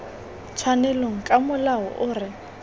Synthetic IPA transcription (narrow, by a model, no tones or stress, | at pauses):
t͡sʰwanɛloŋ̩kʼamʊlaɦɔ̰ʔʊːrɪ